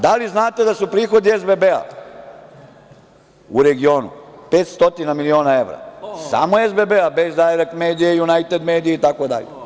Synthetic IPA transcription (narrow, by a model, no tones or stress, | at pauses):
d̪aliznaːt̪e̞d̪asupɾiːxo̞d̪iezbebea̰ | uɾe̞ɡio̞ːnṵpe̞ːt̪st̪o̞t̪inamilio̞ːnae̞ʋɾa̰sa̰ːmoezbebeabezd̪aeɾakmeːd̪ijejunajt̪ed̪meːd̪ijeit̪akod̪a̰ʎḛ